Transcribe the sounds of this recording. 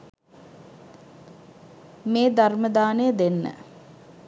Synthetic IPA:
meːd̪arməd̪aːnəjəd̪enːə̰

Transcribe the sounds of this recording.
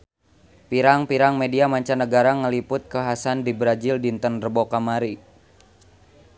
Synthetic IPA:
piɾaŋpiɾaŋmediamaɲt͡ʃanəɡaɾaŋəlipʊt̪̚kəɦasandibɾad͡ʒildint̪ənrəbokamaɾi

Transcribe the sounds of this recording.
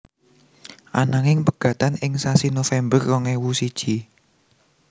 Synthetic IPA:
ʔanaŋɪŋpəɡ̥ä̤t̪anɪŋsasinofɛmbərːɔŋewusid̥ʒ̥i

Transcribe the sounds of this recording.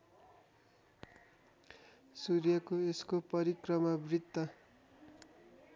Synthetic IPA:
suɾjʌkoeskopʌɾikrʌmʌbrid̪ːʌ

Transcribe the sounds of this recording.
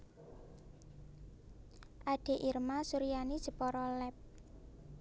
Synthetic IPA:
ʔaɖ̥e̤ʔirmasuɾijanid̥ʒ̥ə̤pɔɾɔlɛp̚

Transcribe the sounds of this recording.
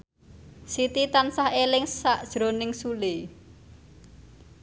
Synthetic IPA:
sit̪it̪ansaɦelɪŋsaʔd̥ʒ̥ɾonɪŋsule

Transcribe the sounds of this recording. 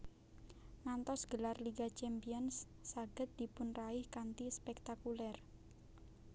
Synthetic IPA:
ŋant̪ɔsɡ̥əlarliɡat͡ʃɛmpiɔnsː | aɡ̥ə̤t̪̚d̪̥ipʊnraɪhkant̪ispɛk̚t̪akulɛr

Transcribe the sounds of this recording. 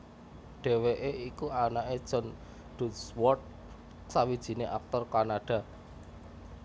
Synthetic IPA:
ɖ̥e̤weʔeikuanaʔed̥ʒ̥ɔ̤n | ɖ̥uswɔrt̪̚ | sawid̥ʒ̥i̤neʔak̚t̪ɔrkanaɖ̥a̤

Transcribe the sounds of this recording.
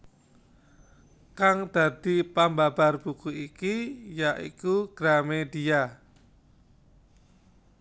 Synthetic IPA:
kaŋd̪̥a̤d̪̥i̤pambab̥a̤rb̥ukuikijaʔḭkuɡ̥ɾamed̪ia

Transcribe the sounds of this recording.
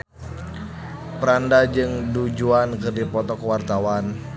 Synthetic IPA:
pəɾandad͡ʒɨŋdud͡ʒuankɨrdipɔt̪ɔkəwart̪awan

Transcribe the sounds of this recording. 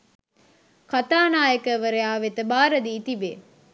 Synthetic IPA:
kat̪aːnaːjəkəʋəɾejaːʋet̪əbaːɾəd̪iːt̪ibḛː

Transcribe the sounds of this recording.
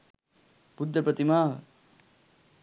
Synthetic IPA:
bud̪ːɐpɐt̪imaːɦ

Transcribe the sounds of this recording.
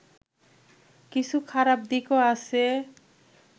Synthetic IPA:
kit͡ɕʰukʰaɾab̚d̪ikoase

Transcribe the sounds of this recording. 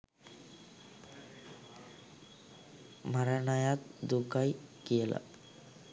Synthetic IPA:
maɾanajat̪̚d̪ukajkijela̰

